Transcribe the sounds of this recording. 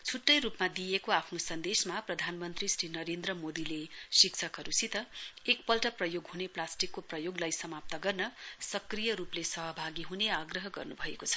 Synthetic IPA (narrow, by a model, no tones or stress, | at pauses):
t͡sʰuʈːʌjɾupmad̪ijekoapʰnosʌnd̪esmaprʌd̪ʱanmʌnt̪risrinʌɾend̪rʌmod̪ilesik̚t͡sʰʌkɦʌɾusit̪ʌek̚pʌlʈʌprʌjoɡɦuneplasʈikːoprʌjoɡlajsʌmap̚t̪ʌɡʌrnʌsʌkrijʌɾuplesʌɦʌbʱaɡiɦuneaɡrʌɦʌɡʌ̰rnubʱʌekot͡sʰʌ̥